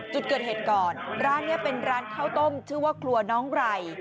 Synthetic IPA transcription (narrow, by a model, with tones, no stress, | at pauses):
t͡ɕu˨˩kɤː˨˩t̪heː˨˩t̪̚kɔː˨˩nɾaː˦˥nːi˥˩ɐpe˧nɾaː˦˥nkʰaː˥˩wt̪o˥˩mt͡ɕʰɯː˥˩˦waː˥˩kʰlu˧ɐnɔː˦˥ŋɾa˧j